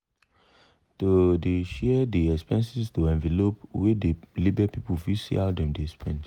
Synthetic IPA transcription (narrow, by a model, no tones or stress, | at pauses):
todeʃɛdeɛkspɛ̃nsistoɛ̃nvɛlopwede̥libɛpipufisḭadɛ̃mdeɛspɛ̃nt